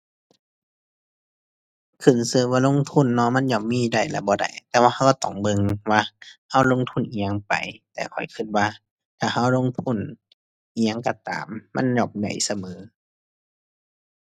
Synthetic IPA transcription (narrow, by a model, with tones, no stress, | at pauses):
kʰɯ˧˩˨nsɯː˧˩waː˧lo˧˥˨ŋt̪ʰu˧˥˨nːɔ˧˨ma˧˥˨njɔː˧˩p̚miː˧˥˨da˧˩jla̰˧˩bɔː˧˦da̰˧˩jt̪ɛː˧waː˧ha˧˩wkːt̪ɔ˧˩ŋbɤ˧ŋwaː˧ha˧˥˨wlo˧˥˨ŋt̪ʰu˧˥˨nʔiː˨ɲa˧˨ŋpa̰˨jt̪ɛː˧kʰɔ̰˨˩jkʰɯ˧˩t̪̚waː˧˨ | k̪ʰaː˧˩ha˧˩˨wlo˧˥˨ŋt̪ʰu˧˥˨n | ʔiː˨ɲa˧˨ŋka˧˩t̪a̰ː˨˦mːa̰˧˥˨njɔː˧˩p̚da̰˨˩jsa˧mɤː˨˦